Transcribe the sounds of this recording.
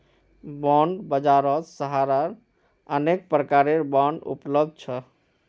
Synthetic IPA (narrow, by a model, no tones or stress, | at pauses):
bɔɳɖbəd͡ʒaɾɔt̪səɦaɾaɾ | ənek̚pɾəkaɾeɾbɔɳɖṵpləb̚d̪̚ʱt͡ʃʰʌ